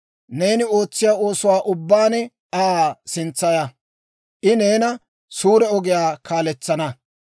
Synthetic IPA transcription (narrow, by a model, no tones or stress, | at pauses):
ne̞ːnɪo̞ːt͡sːɪjaːo̞ːsʊwaːʔʊbːaːnɛ | aːsɪnt͡sːɐjɐ | ʔɪne̞ːnɐ | suːɾɛɔɡɪjaːkaːlɛt͡sːɐnɐ